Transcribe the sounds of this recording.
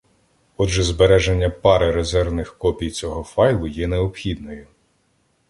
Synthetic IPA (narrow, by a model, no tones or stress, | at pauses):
ɔd͡ʒɛzbeɾɛʒenʲːɐpɑɾɪɾezɛrʋnɪxkɔpʲijt͡sʲɔɦɔfɑjlˠʊjɛneɔpxʲid̪nɔjʊ